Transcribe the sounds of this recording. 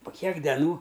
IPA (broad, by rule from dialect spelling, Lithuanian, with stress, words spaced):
poː ˈkʲiɛk dʲɛˈnuː